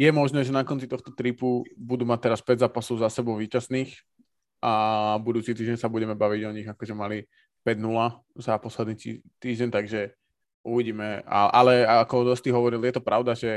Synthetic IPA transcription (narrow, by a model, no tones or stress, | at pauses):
jɛmɔʒnɛːʒɛnakɔnt͡sit̪ɔxt̪ɔt̪ɾipubud̪uːmat̪ɛɾaspɛɟzaːpasɔʊzasɛbɔʊʋiːcasniːx | abud̪uːt͡sit̪iːʒɟɛɲsabuɟɛmɛbaʋiɟɔɲiɣakɔʒɛmali | pɛɟnula | zapɔslɛd̪niːt̪iːʒɟɛnt̪aɡʒɛ | uʋiɟiːmɛa̰ʔalɛakɔd̪ɔst̪iɦɔʋɔɾiljɛt̪ɔpɾaʊd̪aʒɛ